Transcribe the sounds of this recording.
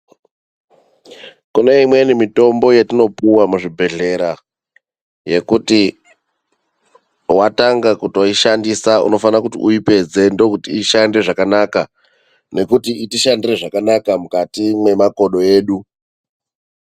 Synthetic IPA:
kune̞imwe̞nimito̞mbo̞jetino̞puwamuʐibʱe̞ɮe̞ɾa | je̞kuti | wataŋɡakutoiʃandisaṵno̞fanakutiʔuipe̞d͡ze̞ndo̞kutiːʃande̞ʐakanaka | ne̞kutiitiʃandire̞ʐakanakamukatimwe̞mako̞ɗo̞e̞ːɗu

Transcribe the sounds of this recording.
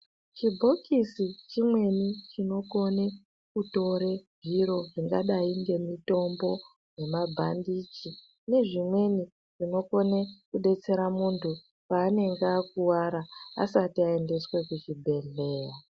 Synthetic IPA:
t͡ʃibʱo̞kʰisit͡ʃimwe̞nit͡ʃino̞ko̞ne̞ | kuto̞ɾe̞vʱiɾo̞ʐiŋɡa̰ɗaiŋɡe̞mito̞mbo̞ | ne̞mabʱandit͡ʃi | ne̞ʐimwe̞ni | ʐ̥ino̞ko̞nekuɗe̞t͡se̞ɾamuntʰu | paːne̞ŋɡakuwaɾaa̰satiae̞nde̞swe̞kut͡ʃibʱe̞ɮe̞ːja

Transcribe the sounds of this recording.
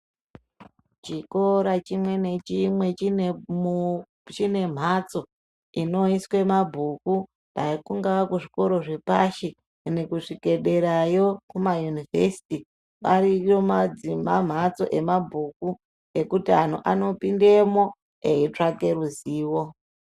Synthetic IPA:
t͡ʃiko̞ɾat͡ʃimwe̞net͡ʃimwe̞t͡ʃi | t͡ʃine̞m̤at͡so̞ | ino̞iswe̞mabʱuku | taikuŋɡaakuʐiko̞ɾo̞ʐe̞paʃi | nekuʂike̞ɗe̞ɾajo̞kumajunive̞si̥ti | ʋarijomad͡zimam̤at͡so̞̰ʔe̞mabʱuku | ekutian̤ṵʔano̞pinde̞mo̞ | eit͡ʂake̞ruziːwo̞

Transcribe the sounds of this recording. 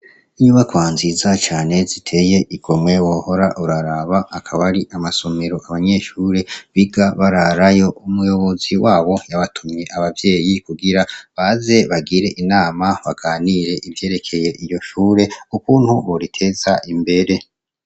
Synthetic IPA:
iɲuβakwaːnzizat͡ʃaːne̞zitʰe̞je̞ʔiɡ̥omŋe̞woho̞ɾaʔuɾaɾaβaːkʰaβaɾiʔamaso̞meɾo̞ʔaβaɲe̞ʃuːɾe̞βiɡaβaɾaɾajo̞ʔumujo̞βo̞ziwaːβo̞jaβatʰumɲe̞ʔaβavje̞ːjikuɡiɾaβaze̞βaɡiɾe̞ʔinaːmaβaɡ̥aːniɾe̞ʔivje̞ːɾe̞kʰe̞je̞ʔijo̞ʃuːɾe̞ukuːnhuβoɾitʰe̞zaʔimbe̞ɾe̞

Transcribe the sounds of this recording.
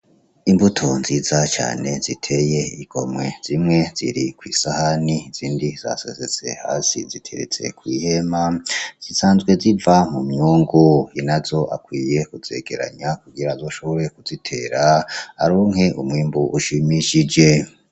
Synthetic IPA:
imbutʰo̞nziːzat͡ʃa̰ːne̞zitʰe̞je̞iɡ̥o̞̰mŋe̞̰z̥imŋe̞z̥ḭɾikwiːsahaniz̥iːndiz̥a̰sḛzet͡se̞̰ha̰ːsizitʰḛɾḛt͡se̞̰kwiːhe̞maz̥isaːnzɡwe̞zivamumɲuːŋɡojinazo̞ʔakwiːje̞kuze̞̰ɡe̞ɾa̰ɲakuɡiɾazo̞ːʃo̞βo̞ɾe̞kuzitʰe̞ːɾaha̰ɾoːŋɦe̞ʔumŋiːmbuʔuʃimiʃid͡ʒe̞

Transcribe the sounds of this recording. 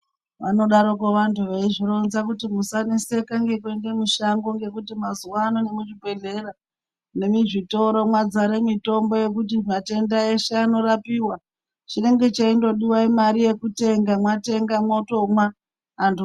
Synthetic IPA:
ʋano̞ɗaɾokoʋantʰuʋeiʐiɾonzakutimusanese̞kaŋɡe̞kue̞nde̞muʃaŋɡo̞ŋɡe̞kutimazuwanonemut͡ʃibʱe̞ɮe̞ɾa | ne̞miʐito̞ɾo̞mwad͡zaɾemito̞mbo̞je̞k̬ut̬imate̞ndaeʃeano̞ɾapiwa | t͡ʃine̞ŋɡe̞t͡ʃaindo̞ɗiwaimaɾije̞kute̞ŋɡamwate̞ŋɡamo̞to̞mwaː | ntʰu

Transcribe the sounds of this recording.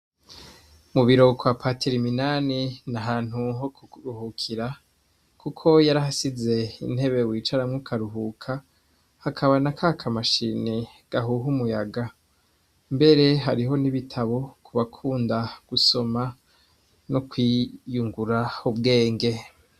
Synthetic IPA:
muβiɾo̞kwapatʰiɾiminaːninaɦaːn̥huɦokuɾuhukʰiɾa | kʰukʰo̞jaɾaɦasize̞ḭn̥he̞βe̞wiːt͡ʃaɾamŋukʰaɾuɦukʰa | hakʰaβanakʰakʰamaʃine | ɡ̥aɦuɦumujaɡa | mbe̞ɾe̞ɦaɾiɦo̞niβitʰaβo̞kʰuβakʰuːndaɡ̥uso̞ma | nokwijuŋɡuɾaubɡe̞ːŋɡe̞

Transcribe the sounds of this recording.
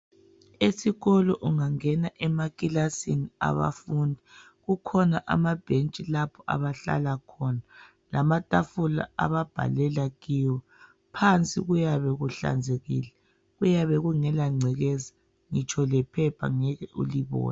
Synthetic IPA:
esiɣɔlɔʔuŋaŋɛnaʔɛmakʼilasinia̰βa̰fundʱi | ɣukʰɔnaʔa̰mab̥ʱent͡ʃʼilapʰɔʔa̰βaɬa̰lakʰɔna | lamatʼafula̰a̰βab̥ʱa̰lɛlaɣiwɔ | pʰant͡sʼḭɣujaβɛɣuɬa̰nd͡zʱeɣiːlɛ | ɣujaβɛɣuŋɛlaŋ͡ǀʱɛɣɛza | ŋit͡ʃʰʼɔlɛpʰɛpʰa̰ŋɛɣɛʔṵliβɔ̰ːna

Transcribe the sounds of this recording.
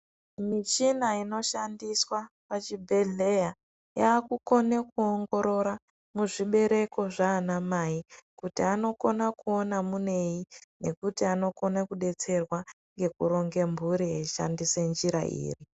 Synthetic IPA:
mit͡ʃinaino̞ʃandiswa | pat͡ʃibʱe̞ɮe̞ja | jaːkuko̞nekuoŋɡo̞ɾo̞ɾa | muʐiɓe̞ɾe̞ko̞ʐaːnamaikutiano̞ko̞nakuonamune̞jine̞kutiano̞ko̞nakuɗe̞t͡se̞rwa | ŋɡe̞kuɾo̞ŋɡe̞mbʱuɾieʃa̰ndisend͡ʒiɾa̰ʔḭːri

